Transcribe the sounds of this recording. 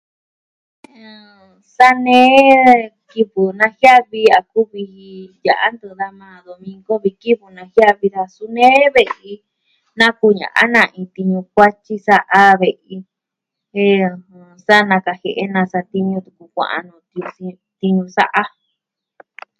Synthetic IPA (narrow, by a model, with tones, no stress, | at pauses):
sa˦nẽː˦ki˧βɨ˨nã˧hja˦βi˧a˨ku˦βi˧hi˧ja˨ʔa̰˦nd̪ɨ˧ða˧mãː˧ðo˨mĩ˧ŋɡo˦βi˧ki˦βu˧nã˧hja˦βi˧ða˧su˧nẽː˦βe˧i˧ | nã˦ku˧ɲã̰˨ʔa̰˦nã˧ʔĩ˧t̪i˧ɲũ˧kʷa˦t͡ʃi˦sa˦˧ʔa˧βe˨ʔi˧ | ẽ˧˨˧sa˦nã˧ka˨he˨ʔe˦nã˧sa˧t̪i˧ɲũ˧t̪u˨ku˧kʷã̰˧ʔa̰˧nũ˨t̪ | t̪i˧ɲũ˧sa̰˦ʔa˦